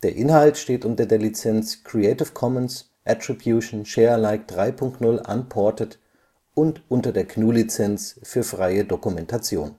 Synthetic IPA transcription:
d̥eːɐʔɪnɦaltʃteːtʔʊntɐdeːɐlit͡sɛnt͡skʁ̥ieɪtɪfkʰɔməns | ʔatʁ̥ibjuːʃn̩ʃɛːɐlaɪk̚d̥ʁaɪpʰʊŋk̚tnʊlʔa̰npʰɔɐtət | ʔʊntʔʊntɐdeːɐkʰnuːlit͡sɛnt͡sfyːɐfʁ̥aɪədokumɛntat͡sjo̰ːn

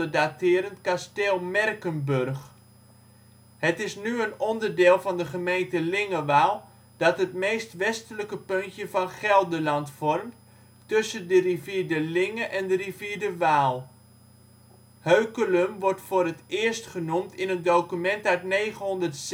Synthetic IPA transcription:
ədatɪːɾəntkastɛlˠmɛrkənbørχ | hətɪsnyənɔndərdɪːlˠvɑndəχəmejntəlɪŋəʋaːlˠ | d̥ɔtɦətmeːstʋɛstələkəpøntjəvɑnχɛlˠdəlɑntfɔrmt | tɵsəndəriviːɹdəlɪŋəʔɛndəriviːɹdəʋaːlˠ | høɥkələmʋɔrtfoːrətɪːəɹstχənumtɪnətdowkymɛntœɥtneːχənɦɔndərts

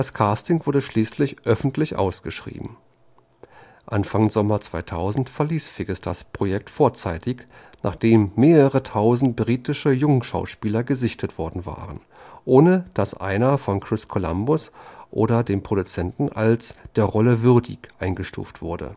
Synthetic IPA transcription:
d̥askʰaːstɪŋvʊɐdəʃliːslɪçʔœfn̩tʰlɪçʔa̰ʊsɡ̥əʃʁ̥ḭːbm̩ | ʔanfaŋzɔmɐt͡sv̥aɪtʰaʊzn̩tfɛɐliːsfɪɡəsd̥a̰spʁ̥ojɛk̚tfoːɐt͡saɪtʰɪç | naːχd̥eːmːeːʁəʁətʰaʊzn̩t̚b̥ʁiːtɪʃəjʊŋʃa̰ʊʃpiːlɐɡəzɪçtʰətv̥ɔɐdn̩va̰ːʁən | ʔoːnəd̥asʔa̰ɪnɐfɔnkʁ̥ɪskʰola̰mbʊsʔo̰ːɾɐdeːmpʁ̥oɾut͡sɛntn̩ʔa̰lsd̥eːɐʁɔləvʏɐdɪ̰çʔaɪnɡəʃtṵːftv̥ʊɐdə̰

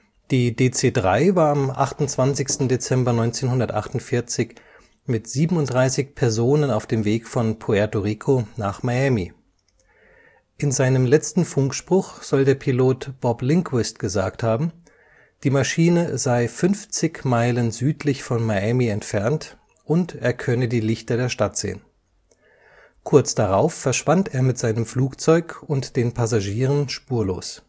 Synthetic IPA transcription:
d̥iːdeːt͡seːdʁaɪvaːɐamʔa̰χtʊntt͡sv̥ant͡sɪçstn̩det͡sɛmbɐnɔʏnt͡seːnhʊndɐtʔa̰χtʊntfɪɐt͡sɪç | mɪtz̥iːbm̩ʊnt̚d̥ʁaɪsɪçpʰɛɐzoːnənaʊfd̥eːmveːkfɔnpʰoɛɐtoʁiːkʰonaːχmajɛmi | ʔɪnzaɪnəmlɛt͡stn̩fʊŋkʃpʁ̥ʊχz̥ɔldeːɐpʰiloːtb̥ɔblɪŋkʰwɪstɡ̥əza̰ːkthaːbm̩ | d̥iːmaʃiːnəzaɪfʏnft͡sɪçmaɪlənzyːtʰlɪçfɔnmaɛmiɛntfɛɐnt | ʔʊnteːɐkʰœnədiːlɪçtɐdeːɐʃtatz̥ḛːən | kʰʊɐt͡sd̥aʁaʊfːɛɐʃv̥anteːɐmɪtz̥aɪnəmfluːkt͡sɔʏkʊntd̥eːnpʰazaʒiːʁ̞ənʃpuːɐlo̰ːs

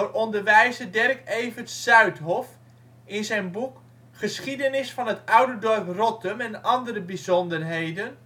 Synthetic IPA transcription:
rʔɔndərʋɛjzədɛrkejvətsœɥtɦɔf | ɪnzɛjnbuk | χəsχidənɪsfɑnɦətœwdədɔrprɔtəmɛnɑndərəbizɔndərɦejdən

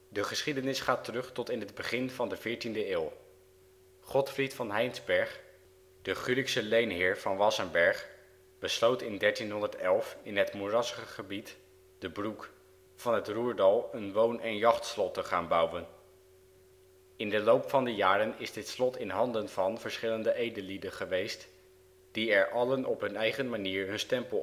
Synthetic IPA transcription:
dəχəsχidənɪsχaːtərɵχtɔtɪnɦəd̚bəχɪnvɑndəv̥ɪːɹtindəɪːlˠ | χɔtfritfɑnɦɛjnzbɛɹχ | d̥əχyliksəlejnɦɪːɹv̥ɑnʋɑsənbɛɹχ | b̥əslowtɪndɛɹtinɦɔndəɹtɛlˠfɪnɦətmurɑsχəχəbit | d̥əbruk | fɑnɦətruːɹdɑlˠənʋownʔɛnjɑχtslɔtəχaːnbʌwən | ɪndəlowpfɑndəjaːɾənɪzdɪtslɔtɪnɦɑndənvɑnv̥əɹsχɪləndəʔejdəlidənχəʋejst | d̥iɛɹʔɑlənʔɔpɦɵnɛjχənmaniːɹɦɵnstɛmpəlˠ

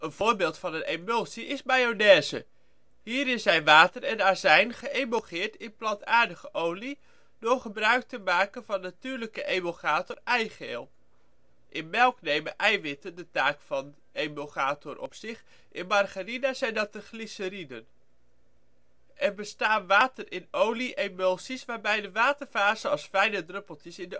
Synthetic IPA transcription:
ənv̥ʊːɹbɪːlˠtfɑnənemølˠsiʔɪsmajonɛːzə | ɦiːɾɪszɛjnʋaːtərɛnaːɹzɛjnχəʔejmoχɪːɹtɪnplɑntaːɹdəχəʔowli | dʊɹχəbrœɥk̚təmaːkənvɑnːatyːɹləkəʔejmoχaːtɔrɛjχeːlˠ | ʔɪnmɛlˠknejməʔɛjʋɪtəndətaːkfɑn | ejmoχaːtɔrʔɔ̰psɪχ | ʔɪnmɑrχarinazɛjndɑt̚əχlisəɾinən | ʔɛrbəstaːnʋaːtərɪnowliʔemølˠsisʋaːɹbɛjdəʋaːtəɹvaːzəɑlˠsfɛjnədrɵpəl̩ˠtəsɪndə

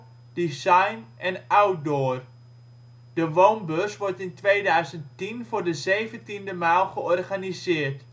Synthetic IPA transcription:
d̥isajnʔɛnawt̚doːr | d̥əʋownbøsʋɔrtɪntʋeːdœɥzənttinvʊːrdəzejvəntindəmaːlˠχəɔrχanizɪːrt

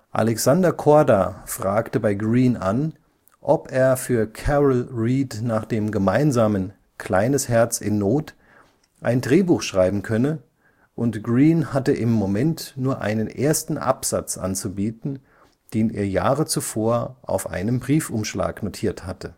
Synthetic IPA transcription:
ʔa̰lɛksandɐkʰɔɐdafʁ̥aːktəbaɪɡʁiːnʔan | ʔɔpeːɐfyːɐkʰɛʁlʁiːdnaːχd̥eːmɡəmaɪnzaːmən | kʰl̥aɪnəshɛɐt͡sɪnːoːt | ʔa̰ɪndʁeːbuːxʃʁ̥aɪbm̩kʰœnə | ʔʊntɡ̥ʁiːnhatəʔɪmːomɛntnuːɐʔa̰ɪnənʔḛːɐstn̩ʔa̰pz̥a̰t͡sʔa̰nt͡subiːtn̩ | d̥eːnʔḭːɐja̰ːʁət͡sufoːɐʔa̰ʊfʔa̰ɪnəmbʁiːfʔʊmʃla̰ːknotʰiːɐthatə

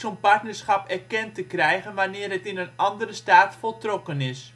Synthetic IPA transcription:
sonpɑrtnərsχɑpɛrkɛntəkrɛjɣənʋanɪːrɦətɪnənɑndəɾəstaːtfolˠtrokənɪs

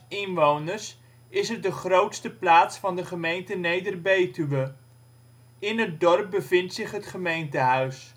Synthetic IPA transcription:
ɪnʋownərs | ɪsədəχrowtstəplaːtsfɑndəχəmejntənejdərbejtyʋə | ɪnɦət̚dɔrp̚bəvɪntsɪχɦətχəmejntəɦœɥs

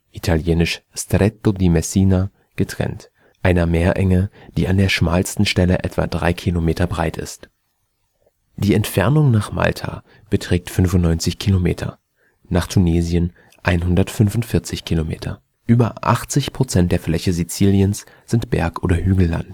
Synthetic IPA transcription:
ʔitʰaljeːnɪʃstʁɛtodimɛsiːna | ɡ̥ətʁ̥ɛ̰nt | ʔaɪnɐmeːɐʔɛŋəd̥iːandeːɐʃmaːlstn̩ʃtɛləʔɛtv̥a̰dʁa̰ɪkʰilomeːtʰɐbʁaɪtɪ̰st | d̥iːɛntfɛɐnʊŋnaːχma̰ltʰa̰ | b̥ətʁ̥ɛːk̚tfʏnvʊntnɔʏnt͡sɪçkʰilomḛːtʰɐ̰ | naːχtʰuneːzjən | ʔaɪnɦʊndɐtfʏnvʊntfɪɐt͡sɪçkʰilomḛːtʰɐ̰ | ʔyːbɐʔa̰χt͡sɪçpʁ̥ot͡sɛnt̚d̥eːɐflɛçəzit͡siːljəns | z̥ɪntb̥ɛ̰ɐkʔo̰ːɾɐhyːɡl̩la̰nt

